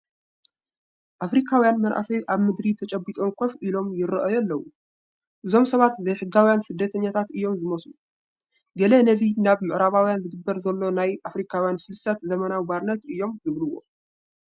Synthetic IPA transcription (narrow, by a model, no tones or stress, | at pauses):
ʔafɾikʰawijanmɐnʔa̰fɐjʔaβmɨd̪ɾit̪ʰɐt͡ʃʼɐbit̪ʼo̞mkʰɐfʔilo̞mjɪɾɨʔɐjɛlːɐwu | ʔɨzo̞msɐβat̪zɐjħɨɡawijansɨd̪ːɐt̪ʰɐɲːat̪ʰat̪ɨjːo̞mzɨmɐsu | ɡɐlɐnɐvinaβmɨʔɨɾaβawjanzɨɡɨbːɐɾzɐlːo̞najʔafɾikʰawjanfɨlsɐt̪zɐmɐnawbaɾnɐt̪ɨjːo̞mzɨβlɨwːo̞̰